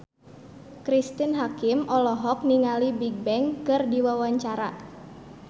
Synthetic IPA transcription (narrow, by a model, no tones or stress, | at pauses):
kɾist̪inɦakɪmʔɔlɔɦɔk̚niŋalibiɡ̚bɛŋkɨrdiwawaɲt͡ʃaɾa